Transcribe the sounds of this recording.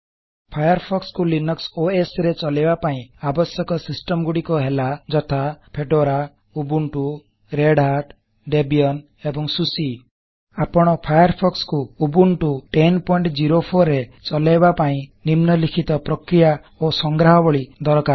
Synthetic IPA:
pʰajɔɾpʰɔkskulinɔksoesɾet͡ʃɔlebapaĩabɔsjɔkɔsisʈɔmɡuɽikɔɦelad͡ʒɔt̪ʰapʰeɖoɾa | ubuɳʈu | ɾeɖɦaɾʈ | ɖebiɔn | ebɔŋsusi | apɔɽ̃ɔpʰajɔɾpʰɔkskuːbuɳʈuʈenpɔiɳʈd͡ʒiɾopʰoɾet͡ʃɔlajbapaĩnimnɔlikʰit̪ɔpɾɔkɾija | osɔŋɡɾaɦɔbɔɭid̪ɔɾɔkaɾ

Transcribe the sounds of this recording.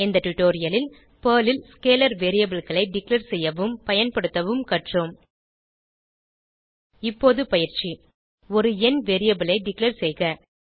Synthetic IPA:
ɪnd̪ɐʈːʊʈːoːɾɪjɐlɪl | pɐːlɪlskeːlɐɾʋeːɾɪjɐbɪlɣɐɭɐɪɖɪkleɾsɛjːɐʋɯmpɐjɐnpɐɽɯt̪ːɐʋɯmkɐʈroːm | ɪpːoːðɯpɐjɪɾt͡ʃi | ɔɾɯɛnʋeːɾɪjɐbɪlɐɪɖɪkleːɾsɛjɣɐ

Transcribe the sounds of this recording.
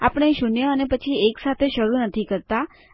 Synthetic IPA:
apəɽ̃eʃunjəənepət͡ʃʰieksat̪ʰeʃəɾunət̪ʰikəɾt̪a

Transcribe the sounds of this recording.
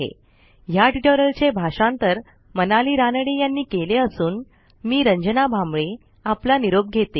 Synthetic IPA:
ḛ | jaʈiʈəɾəlt͡ɕebʱaʂãnt̪əɾ | mənaliːɾanəɽijanːiːkeleəsuːn | miːɾəɲd͡ʑənabʱamɭe | aplaniɾob̚ɡʱet̪e

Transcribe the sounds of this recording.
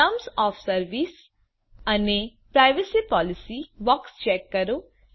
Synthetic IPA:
ɐmsaːfsɐɾʋiːs | ɐnepɾajʋɐsipaːlisibakst͡ʃeːkːɐɾu

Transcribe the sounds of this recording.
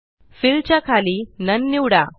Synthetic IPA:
filt͡ɕakʰaliːnənːiwɽa

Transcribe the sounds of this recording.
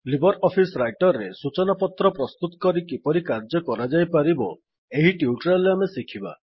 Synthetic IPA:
libɔɾɔpʰisɾajʈɔɾːesut͡ʃɔnapɔt̪ɾɔpɾɔst̪ut̪ɔ̥kɔɾikipɔɾikaɾd͡ʒɔkɔɾad͡ʒajpaɾibɔ | eɦiʈiuʈɾalamesikʰiba̰

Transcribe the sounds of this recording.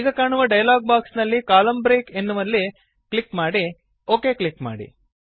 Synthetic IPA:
iːɡɐkaːɳuʋɐɖɐjɐlaːɡ̚baːksnɐlːikaːlɐmbɾeːke̞nːuʋɐlːi | kɭikmaːɽi | o̞ːke̞ːkɭikma̰ːɽḭ

